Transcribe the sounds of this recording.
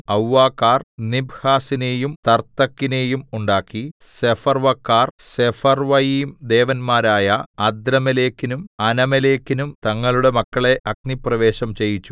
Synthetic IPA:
ɐwːaːkːaːrnibhaːsine̞ːjumt̪ɐrt̪ːɐkːine̞ːjumuɳɖaːkːi | se̞fɐrʋɐkːaːrsefɐrʋɐjiːmd̪e̞ːʋɐnmaːɾaːjɐɐd̪ɾɐmɐle̞ːkːinumɐnɐmileːkːinumt̪ɐŋːɐɭuɽe̞mɐkːɐɭe̞ʔɐkniprɐʋe̞ːɕɐmt͡ɕe̞jit͡ɕːu̥

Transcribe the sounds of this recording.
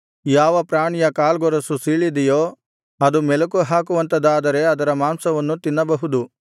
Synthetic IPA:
jaːʋɐpɾaːɳijɐkaːlɡɔɾɐsusiːɭid̪ɛjoː | ɐd̪umɛlɐkuɦaːkuʋɐnt̪ɐd̪aːd̪ɐɾe̞ɐd̪ɐɾɐmaːmsɐʋɐnːut̪inːɐbɐɦud̪u

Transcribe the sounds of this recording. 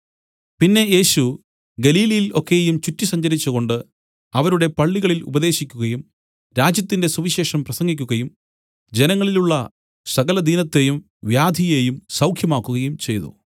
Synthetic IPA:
pinːe̞je̞ːɕu | ɡɐliːlɐjilo̞kːe̞jjumt͡ɕutːisɐɲd͡ʑɐɾit͡ɕːuɣo̞ɳɖɨ | ɐʋɐɾuɽe̞pɐɭːiɣɐɭilṵbɐðe̞ːɕikʲːuɣɐjum | ɾaːd͡ʑjɐt̪ːinde̞suʋiɕe̞ːʂɐmprɐsɐŋɡik̬ʲːuɣɐjum | d͡ʑe̞nɐŋːɐɭiluɭːɐ | sɐɣɐlɐd̪iːnɐt̪ːe̞jum | ʋjaːd̪ʱije̞jumsɐwkʰjɐmaːkːuɣɐjumt͡ɕe̞jðṵ

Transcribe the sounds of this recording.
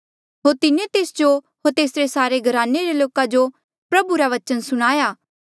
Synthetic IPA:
ɦoːɾt̪ɪnẽt̪eːsd͡ʒo | ɦoːɾt̪eːsɾesaːɾeɡʱɐɾaːnːeɾeloːkad͡ʒo | pɾɐbuɾaʋɐt͡ʃənsʊɽ̃aːjaː

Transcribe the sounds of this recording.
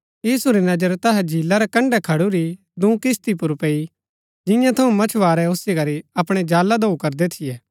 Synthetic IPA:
jiːsuɾinɐd͡ʒəɾt̪ɐɦɛd͡ʒʱiːlːaɾɛkɐ̃ɳɖɛkʰɐɽuɾi | d̪ũːkɪst̪ipʊɾpeːi | d͡ʒɪ̃jãt̪ʰɐũmɐt͡ʃʰʋaːɾɛosikɐɾiɐpɽ̃ɛd͡ʒaːlad̪oukɐɾd̪ɛt̪ʰɪjɛː

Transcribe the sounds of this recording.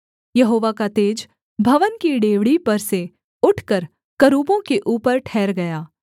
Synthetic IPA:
jɐɦoːʋakat̪eːd͡ʒ | bʱɐʋənkiɖeːʋɽipɐɾse | ʊʈʰkəɾ | kɐɾuːbõkeʔuːpəɾʈʰɛːɾɡɐjaː

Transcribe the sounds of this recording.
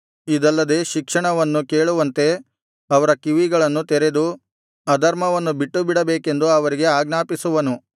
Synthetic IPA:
id̪ɐlːɐd̪e̞ːʃikʂɐɳɐʋɐnːuke̞ːɭuʋɐnt̪e̞ | ɐʋɐɾɐkiʋiɡɐɭɐnːut̪eɾe̞d̪u | ɐd̪ʱɐɾmɐʋɐnːubiʈːubiɽɐbeːke̞nd̪uɐʋɐɾiɡe̞aːɡnaːpisuʋɐnu

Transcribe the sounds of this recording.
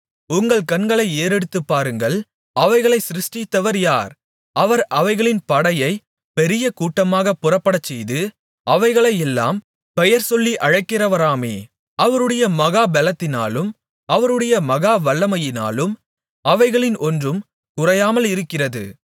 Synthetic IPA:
ʊŋɡɐɭkɐnɡɐɭɐɪeːɾɛɽɯt̪ːɯpːaːɾɯŋɡɐɭ | ɐʋɐɪɣɐɭɐɪsɪɾɪʂʈɪt̪ːɐʋɐɾjaːɾ | ʔɐʋɐɾʔɐʋɐɪɣɐɭɪnpɐɽɐjɐɪ | pɛɾɪjɐkuːʈːɐmaːɣɐpːʊrɐpːɐɽɐt͡ʃːɛjðɯ | ʔɐʋɐɪɣɐɭɐɪjɛlːa̰ːm | pɛjɐɾsɔlːiʔɐɻɐɪkːɪrɐʋɐɾaːmeː | ɐʋɐɾɯɽɐjɐmɐɣaːbɛlɐt̪ːɪna̰ːlɯm | ɐʋɐɾɯɽɐjɐmɐɣaːʋɐɭːɐmɐjɪna̰ːlɯm | ɐʋɐɪɣɐɭɪnʔɔndrɯm | kʊrɐjaːmɐlɪɾɯkːɪrɐðɯ̰

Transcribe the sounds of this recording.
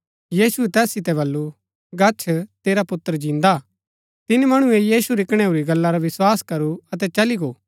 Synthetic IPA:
jiːsueɛt̪ɛːssɪt̪ɛbɐlːu | ɡɐt͡ʃʰt̪eːɾapʊt̪ːəɾd͡ʒɪ̃ːnd̪a | t̪ɪnimɐɽ̃ũejiːsuɾɪkɽ̃euɾiɡɐlːaɾaʋɪswaːskɐɾuɐt̪̬ɛt͡ʃɐliɡoː

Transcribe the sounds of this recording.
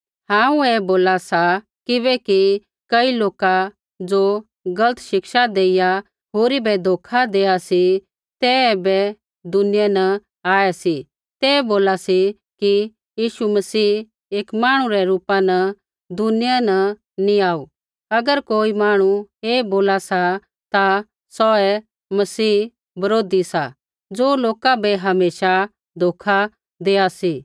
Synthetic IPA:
hãːũɛːboːlasa | kɪβɛki | kɐiloːka | d͡ʒo | ɡɐlət̪ʰʃɪkʃad̪eːɪja | ɦoːɾibɛd̪ʱoːkʰad̪eːasi | t̪ɛbɛ | d̪ʊnɪjanɐ | aːɛsi | t̪ɛːboːlasi | ki | jiːʃumɐsiː | eːkmaːɽ̃ũɾɛɾuːpanɐ | d̪ʊnɪjanɐ | nĩaːu | ɐɡəɾkoːimaːɽ̃ueːboːlasa | t̪a | sɔːɛ | mɐsiː | bɐɾoːd̪isa | d͡zoːloːkabɛɦɐmeːʃa | d̪ʱoːkʰa | d̪eːasi

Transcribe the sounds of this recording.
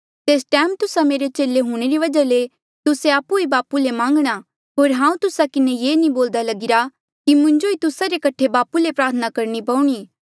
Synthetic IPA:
t̪eːsʈɛːmt̪ʊsameːɾet͡ʃeːleɦuːɽ̃eɾiʋɐd͡ʒale | t̪ʊseaːpuibaːpulemãːŋɡɽ̃a | ɦoːɾɦãːũt̪ʊsakɪnejeːniboːld̪alɐɡɪɾa | kimʊ̃ɲd͡ʒoit̪ʊsaɾekɐʈʰebaːpulepɾaːɾt̪ʰənakɐɾnipɐuɽ̃iː

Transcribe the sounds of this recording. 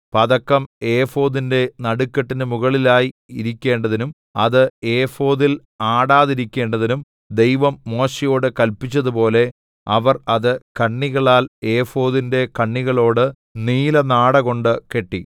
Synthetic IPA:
pɐðɐkːɐmeːfo̞ːðinde̞nɐɽukːɐʈːindemuɣɐɭilaːjiiɾikʲːe̞ːɳɖɐðinum | ɐðɨeːfo̞ːðil | aːɽaːðiɾikʲːe̞ːɳɖɐðinum | d̪e̞jʋɐmːo̞ːɕɐjo̞ːɽɨkɐlpit͡ɕːɐðupo̞ːle̞ | ɐʋɐrɐðɨkɐɳːiɣɐɭaːle̞ːfo̞ːðinde̞kɐɳːiɣɐɭo̞ːɽɨ | niːlɐnaːɽɐɣo̞ɳɖɨke̞ʈːi

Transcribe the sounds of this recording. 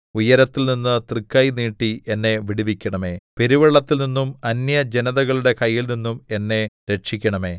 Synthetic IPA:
ujɐɾɐt̪ːilninːɨt̪rikːɐjiniːʈːiʔenːe̞ʋiɽiʋikʲːɐɳɐme̞ːpe̞ɾiʋɐɭːɐt̪ːilninːumɐnjɐd͡ʑe̞nɐðɐɣɐɭuɽe̞kɐjːilninːume̞nːe̞ɾe̞ʈ̚ʂikʲːɐɳɐmeː

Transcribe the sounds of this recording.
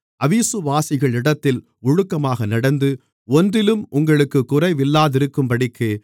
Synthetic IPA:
ʔɐʋiːsɯʋaːsɪɣɐɭɪɽɐt̪ːɪl | ʊɻʊkːɐmaːɣɐnɐɽɐnd̪ɯ | ɔnd̪ɪlɯmʊŋɡɐɭɯkːɯkːʊrɐɪʋɪlːaːðɪɾɯkːɯmpɐɽɪkːɯ

